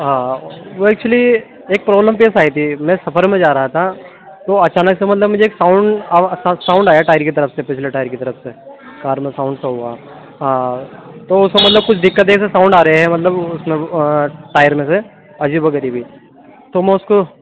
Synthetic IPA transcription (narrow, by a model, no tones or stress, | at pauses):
ɦãːʋoɛːk̚t͡ʃuəli | eːk̚pɾɔːbləmpeːsaːit̪ʰimɛ̃sɐpʰəɾmẽd͡ʒaːɾɐɦat̪ʰa | t̪oɐt͡ʃaːnəksemɐt̪ləbmʊd͡ʒʱeːksãːʊ̃ɳɖasãːʊ̃ɳɖaːjaʈaːjɾkit̪̬ɐɾəfsepɪt͡ʃʰleʈaːjəɾkit̪ɐɾəfsekaːɾmẽsaːʊ̃ɳɖseɦoa | ɦãːt̪oʊskomɐt̪ləb̚kʊt͡ʃʰɖ̪ɪkːət̪̬eːksesãːʊ̃ɳɖaːɾɐɦeɦɛmɐt̪ləbʊsmẽʈaːjəɾmẽse | ɐd͡ʒiːbʋɐɡɛːɾibʱi | t̪omɛ̃ːʊsko